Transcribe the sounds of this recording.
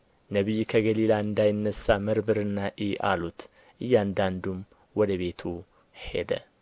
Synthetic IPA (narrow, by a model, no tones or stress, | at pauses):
nəβijkʰəɡəlilaɨnd̪ajɪnːəsːamɨɾbɨɾɨnːaʔiʔa̰lut̪ | ʔɨjːand̪and̪um | wɔd̪əβe̞t̪ʰu | he̞̰d̪ə̰